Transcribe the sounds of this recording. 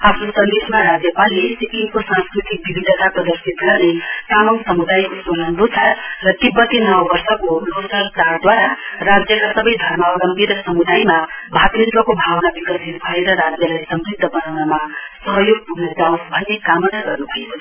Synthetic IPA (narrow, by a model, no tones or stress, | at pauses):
apʰnosʌnd̪esmaɾad͡zjʌpalisikiŋkosãnskrit̪ik̚bibʱid̪ʱːʌt̪aprʌd̪ʌrsit̪ɡʌrnesamʌnsʌmud̪ajkosonʌnlot͡sʰarʌt̪ibːʌt̪ːinʌwbʌrsʌkolosʌlt̪aɾd̪waɾarad͡zjʌkasʌbʌjd̪ʱʌrmaɾʌmpiɾʌsʌmud̪ajmabʱat̪ɾit̪wʌkobʱawnabikʌsinubʱʌeɾʌɾad͡zjʌlajsʌmbɾib̚d̪ʱːʌbʌnawnamasʌɦʌjoɡ̚puɡned̪awnbʱʌnːekamʌnaɡʌrnubʱʌe